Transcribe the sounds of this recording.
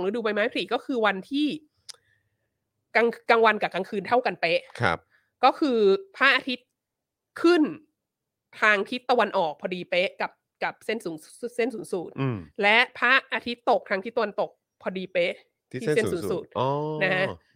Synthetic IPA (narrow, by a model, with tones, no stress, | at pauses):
ŋɾɯ˦˥duː˧pa˧jmaː˦˥jpʰli˨˩kɔ˥˩kʰɯː˧wa˧nt̪ʰiː˥˩ | ka˧ŋka˧ŋwa˧nka˨˩ka˧ŋkʰɯː˧nt̪ʰa˥˩wka˧npe˦˥ʔkʰa̰˧ | kɔː˥˩kʰɯː˧pʰaː˥˩k̚ʔaː˧t̪ʰi˦˥t̪̚ | kʰɯ˥˩n | t̪ʰaː˧ŋt̪ʰi˦˥t̪ːa˧wa˧nʔɔː˨˩k̚pʰɔː˧diː˧pe˦˥ʔka˨˩p̚ka˨˩p̚se˥˩nsuː˩˦n | se˥˩nsuː˩˦nsu˨˩t̪̚ːlɛ˦˥ʔpʰaː˥˩k̚ʔaː˧t̪ʰi˦˥t̪ːo˨˩k̚t̪ʰa˧ŋt̪ʰi˦˥t̪ːa˧a˧nt̪o˨˩k̚ | pʰɔː˧diː˧pe˦˥ʔʰ | iː˥˨se˥˩˨suː˩˦nsu˨˩t̪̚ɔ˧na˦˥kʰa˦˥ʔ